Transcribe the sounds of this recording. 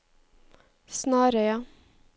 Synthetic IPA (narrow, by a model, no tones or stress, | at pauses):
snɑːɾəjɑ